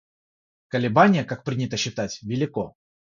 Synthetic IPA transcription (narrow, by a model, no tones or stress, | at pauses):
kəlʲɪbanʲɪjəkak̚pɾʲinʲɪt̪əɕːɪt̪atʲvʲɪlʲɪko